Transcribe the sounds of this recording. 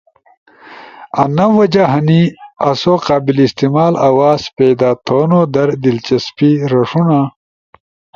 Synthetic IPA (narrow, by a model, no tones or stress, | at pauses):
ɐnɐwɐd͡ʑaɦɐniɐsoqaːbilist̪imaːlɐwaːspeːd̪aːt̪ʰoːnod̪ɐɾd̪ilt͡ɕɐspiɾɐʂuna